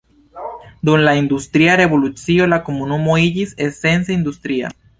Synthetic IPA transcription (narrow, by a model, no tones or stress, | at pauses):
d̪unlaind̪ust̪ɾiaɾe̞βo̞lut͡sio̞lakomunumoid͡ʒisese̞nseind̪ust̪ɾia̰